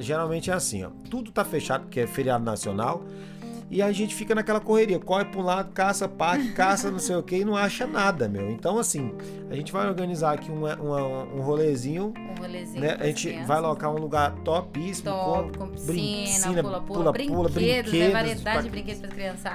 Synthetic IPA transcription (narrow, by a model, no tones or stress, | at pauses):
ʒeɾawmẽnt͡ʃɪɛasḭ̃ɔ̰t̪ud̪ʊt̪afeʃad̪ʊpʊɾkeɛfeɾiad̪ʊnasionaw | ɪaʒẽnt͡ʃɪ̥fikɐnakɛlɐkoheɾiɐkɔhɪpuũlad̪ʊkasɐpaɾkɪkasɐnɐ̃w̃sejʊkeɪnɐ̃w̃aʃɐnad̪ɐmḛwẽnt̪ɐ̃w̃asĩ | aʒẽnt͡ʃɪvajoɾɡɐ̃nizaɾakiũmɐʔũmɐũɦolezĩɲʊ̃holez̃nɛa̰ʒẽt͡ʃɪvajlokaɾũluɡaɾt̪ɔpisimʊkkõkõsbɾĩisĩnɐlppulɐɾĩpulɐbɾĩedkedaɐeabɾĩked̪pɾɐkɾiɐ̃sa